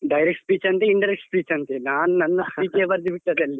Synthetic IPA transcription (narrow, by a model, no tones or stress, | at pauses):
ɖɐjɾekʈspiːt͡ʃɐnt̪eiɳɖɐɾekʈspiːt͡ʃɐnt̪enaːnunɐnːɐspiːt͡ʃebɐɾd̪ibiʈːɐd̪eɐlːi